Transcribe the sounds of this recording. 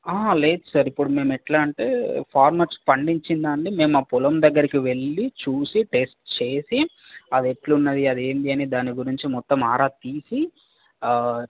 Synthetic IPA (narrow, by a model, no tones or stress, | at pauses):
aːleːt̪sɐɾipːuɽume̞ːmɛʈlaːɳʈḛːpʰaːɾmaːʈspɐɳɖiɲt͡ʃind̪aːɳɖime̞ːmuaːpulɐmd̪ɐɡːɐɾikiʋe̞ɭːit͡ʃuːsiʈe̞sʈt͡ʃe̞ːsiɐd̪eʈlunːɐd̪iɐd̪e̞ːnd̪iɐnid̪aːniɡuɾiɲt͡ʃimɔt̪ːɐmaːɾaːt̪iːsi